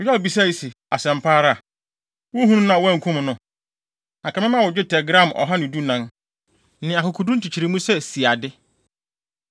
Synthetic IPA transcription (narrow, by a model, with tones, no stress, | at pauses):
ʊ˨jɛ˦˨bi˨s̬a˦˨i˨si˨ | a˨sɛ̃˨m˨pʰaː˦ɾa˦˨ | wʊ˦ɦũ˦nũ˦nã˨wɔ˦æ̃˨ŋ̩˨kʰũ˦m˨nʊ̃˨ | a˨kʰa˨mɪ̃˦mã˦wʊ˨d͡ʑᶣɪ˦tʰɛ˨ɡɾã˦˨mɔ̰˨ɦa˦nʊ̃˨du˦nã˦n | nɪ̃˨a˨kʊ˨kʰu˨du˦tʰi˨t͡ɕʰi˨ɾi˨˦mũ˦sɛ˦si˨a˨dɪ˦